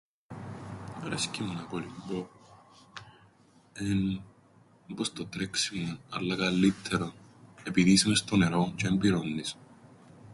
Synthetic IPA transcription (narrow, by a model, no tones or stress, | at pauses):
ɾɐ̰scimunɐkolimbo | en | bost̪ot̪ɾeksimunɐlːɐkɐlːit̪ʰːeɾonepiðisimest̪oneɾot͡ʃembiɾonːis